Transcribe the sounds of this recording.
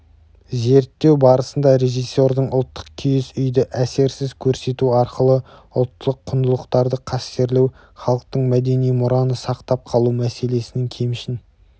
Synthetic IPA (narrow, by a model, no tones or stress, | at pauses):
ze̞ɾt̪ːe̞wbɑɾəsənd̪ɑɾe̞ʒisːo̞ɾd̪əɴʊ̰lˠt̪ːə̥q̚kʲʰʏjɪsʏjd̪ɪʔæse̞ɾsɪzkʲʰɵɾse̞t̪uɑɾqəlˠə | ʊlˠt̪ːəlˠəqʰːʊnd̪əlˠəqt̪ɑɾd̪əqʰɑst̪e̞ɾlew | χɑlˠəq̚t̪əɴmæd̪e̞nijmʊɾɑnəsɑqt̪ɑp̚qʰɑlˠumæse̞le̞sɪneŋkʲʰejmɪʃɪn